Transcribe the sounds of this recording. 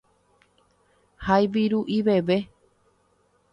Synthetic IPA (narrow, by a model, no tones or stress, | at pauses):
hajʋiɾuʔiʋe̞ʋe̞